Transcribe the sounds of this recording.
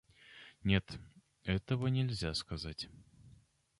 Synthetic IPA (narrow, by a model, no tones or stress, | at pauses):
nʲet̪ | ɛt̪əvənʲɪlʲzʲaskɐzatʲ